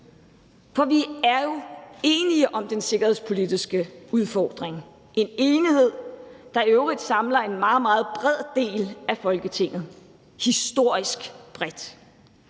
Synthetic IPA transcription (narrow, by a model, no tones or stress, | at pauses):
fɒ̽ʋiæɐjo̝e̝ːniəʔɒ̽md̥ense̝ɡ̥ɐhe̝̰spʰo̝lid̥isɡ̥əuð̞ˠfɒ̰ːd̥ʁeŋ | ʔe̝ne̝ːnihe̝ð̞̰ˠd̥ɑ̈øʊʁid̥sɑ̈mlɐe̝nmɑ̈ːð̩ˠmɑ̈ːð̞̩ˠb̥ʁɛð̰ˠd̥e̝̰ːlæfɒ̽lɡ̥ət͡sʰe̝ŋ̰ð̞̩ˠ | hisd̥o̝ɐ̰isɡ̥b̥ʁɛd̥